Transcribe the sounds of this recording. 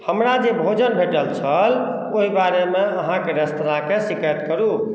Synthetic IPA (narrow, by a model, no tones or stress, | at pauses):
həmɾad͡ʒebʱod͡ʒənbʱeʈəlt͡ʃʰəl | oɦibaɾemeəɦãkeɾəst̪nakesikət̪kəɾu